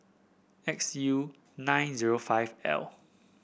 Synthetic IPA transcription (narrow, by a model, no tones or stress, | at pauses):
ɛksju | nãjnziɹofaɪvɛ̰l